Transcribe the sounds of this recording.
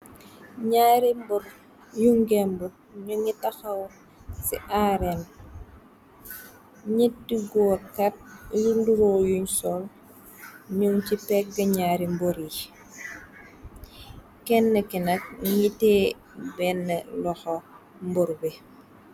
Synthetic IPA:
ɲaːɾimbɔɾ | juŋɡembu | ɲuŋitaxaw | sḭʔaɾen | ɲit̚diɡoːkat̚junduɾojuɲsɔl | ɲuŋt͡ʃipɛk̚ɡɐɲaːɾimboɾi | kɛnːekinak̚ŋite | bɛnːelɔxo | mbɔɾbi

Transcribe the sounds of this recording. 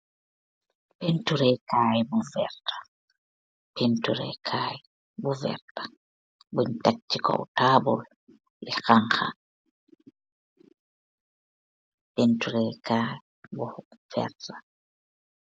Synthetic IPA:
pentuɾɛjkaːjɛbɔvɛ̰ɾtḁ | pentuɾɛ̰kʰaːɛ | bɔvɛ̰ɾtḁ | buɲtat͡ʃːikɔ̰w̰taːbɔ̰ | lɛxaŋxa̰ | pentuɾɛjkʰaːjɛ | bɔfɛ̰ɾta

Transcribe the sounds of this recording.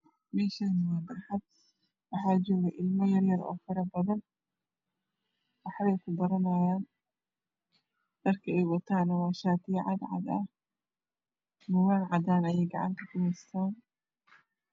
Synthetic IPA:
mɛːʃaːnɐwɑːd̪ɐrħɐd̪̚ | wɑħaːd͡ʒɔːɣɛʔɪlmɔjɐrjɐɾɔ̰ːfɪɾɐbɐðɐn | wɑħβɛjkʰʊbɐɾɐnaːjaːn | d̪̥ɐrkʰɐɛjwɐt̪ʰaːnɐwaːʃaːt̪ʰiʕɑd̪ʕɑ̰d̪ɐ̰h | mʊwaːnʕɑd̪aːnɐjɛjɡɑʕɑ̰ŋk̪ʰɐkʊhɛjst̪ʰaːn

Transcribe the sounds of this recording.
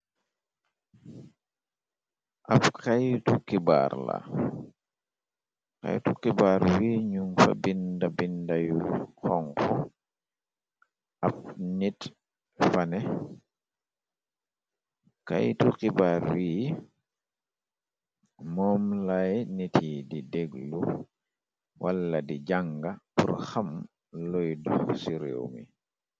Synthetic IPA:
ʔapkajtukiba̰ːɾla̰ | ka̰jtukibaːɾwiːɲuŋfa̰bindabindajuhɔŋkɔ | ap̚nit | fanɛ | ka̰jtukibaɾwiː | mɔːmlajnitʰiːdideɡlu | walːadid͡ʒaŋɡapuɾxam | lɔjdɔsiɾḛwmḭ

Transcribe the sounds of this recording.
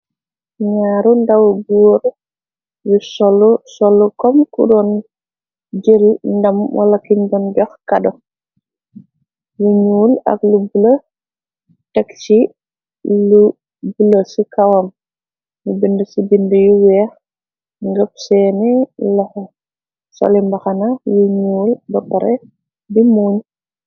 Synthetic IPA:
ɲaːɾundawɡuɾ | jusɔlsɔlukɔmkṵdɔn | d͡ʒelndɐmwʔa̰lakiɲdɔnɟɔxkadɔ | luɲuːlɐ̰klubulə | tɛkt͡ʃi | lu | buləsikawɐm | jubindəsibindəjuwɛːx | ŋɡəp̚sɛːnilɛh | sɔ̰limbɐxɐnajuɲuːlbɐbɐɾɛ | bimuːɲ

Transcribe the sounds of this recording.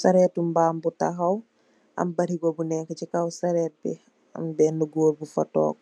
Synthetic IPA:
saɾɛtumbaːmbutaɦaw | ʔɐ̰mbaɾiɡɔbunɛŋkacikawsaɾɛːt̚bɛ̰ | a̰mbɛnːuɡoːɾbufatɔ̰ːk

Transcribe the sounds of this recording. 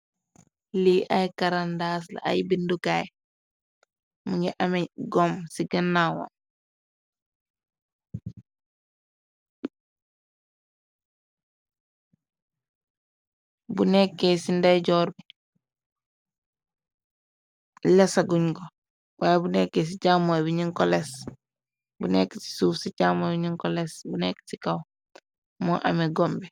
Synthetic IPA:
liʔajkaɾandaːs̬la̰a̰jbindukaj | muŋɡiʔameɡɔmsiɡɐnːawa̰n | bunekːesindajɟɔːɾbi | lɛsaɡuɲɡo | wajabunekːes̬it͡ʃamobiɲiŋkɔles | bunekːsi̥suːfsit͡ʃaːmɔbiɲiŋkɔlesbunekːsikaw | mɔʔa̰mɛɡɔmbɛ

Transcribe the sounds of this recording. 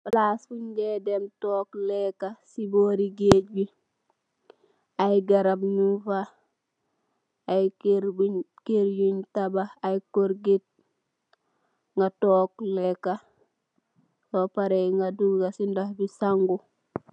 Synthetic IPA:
flasfuɲɡedemtoːklekasiboːɾiɡeːɟ̚bi | ajɡaɾabɲufa | ajɾb | keɾjuɲtabaajkoɾɡit̚ | ŋɡatokleka | sopaɾeŋɡaduɡasindahbisaŋɡu

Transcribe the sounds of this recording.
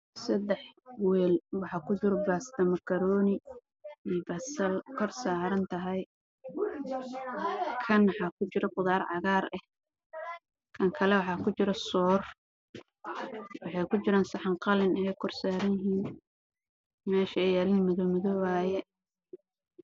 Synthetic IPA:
sɐd̪ɛħwɛːlwɑħɑːkʰʊt͡ʃɪɾɔbaːst̪ɐmɐkʰɐɾɔːnɪ | iːbɐsɐlkʰɔrsaːɾɐnt̪ʰɐɦɛj | kʰɐnwɑħɑːkʰʊt͡ʃɪɾɔqʊðaːɾʕɑɣaːrɛh | kʰɐŋkʰɐlɛwɑħɑːkʰʊt͡ʃɪɾɔsɔːr | wɑħɑjkʰʊt͡ʃɪɾaːnsɑħɑɴqɑlɪnɛɛjkʰɔrsaːɾɐnjɪɦiːn | mɛːʃɐɛjɛːlɪːnmɐðɔːmɐðɔwaːjɛ

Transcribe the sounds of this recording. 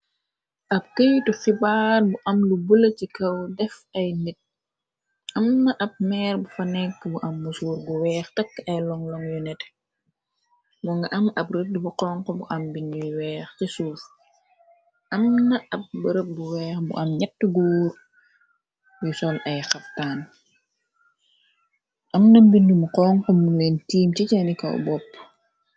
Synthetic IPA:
ʔɐp̚kəjtufibaːrbuʔɐmlubəlɐcikɐwdɛfɐjnit̚ | ʔɐmnɐʔɐp̚mɛːrbufɐnɛkːbuʔɐmːusuːɾɡuwɛːxtɐkːʔɐjlɔŋlɔŋjunɛt | buŋɡɐʔɐmɐpɾədibuqɔŋkɔbuʔɐmbiɲuwɛːxcisuːf | ʔɐmnɐɐp̚bəɾəp̚buwɛːxbṵʔɐmɲɐtːəɡuːɾ | jusɔlʔɐjxɐp̚taːn | ʔɐmnɐmbindumuqɔːŋkɔmulɛntiːmcicɛnikɐ̰w̰bɔpː

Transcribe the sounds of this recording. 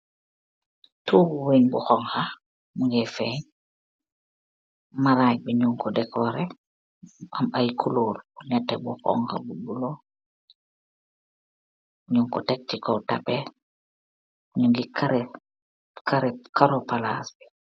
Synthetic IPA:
tuːuwinbuxɔŋxa | muŋɡefeɲ | maɾaːj̚biɲuŋkɔdɛkʰɔɾe | amajkʰuluɾbuɲatːebuxɔ̰ŋha̰bubulo | ɲuŋkɔtek̚tikotape | ɲuŋɡikaɾ | kaɾɛkaɾopala̰sbi̥

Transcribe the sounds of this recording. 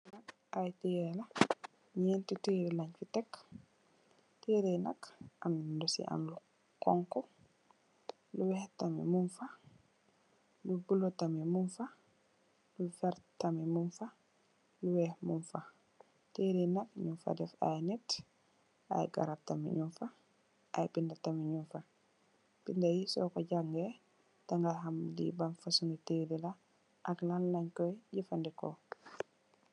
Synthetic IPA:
nak | ajtɛjɛla | ɲɛntuteɾɛlaɲt͡ʃutɛkː | teɾɛjnakʔandosḭʔa̰nlu | kɔŋkɔ | luwɛhtamɛ̰munfa | lubulɔtamɛmunfa | lufɛɾtamɛmunfa | luwɛhmunfa | teːɾinakɲumfa̰dɛfa̰jnɛt | a̰jɡa̰ɾap̚tamḭɲumfa | ʔajpindatamiɲunfa | pindajisɔ̰kɔɟaŋɡɛ | taŋɡaɦamdḭbanfasunuteɾila | ʔaklanlaɲkɔjɟifandɛkɔ̰

